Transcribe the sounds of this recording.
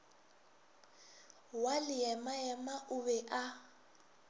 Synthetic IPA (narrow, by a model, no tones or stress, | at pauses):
walɪjɛmajɛmaʔʊβɛʔa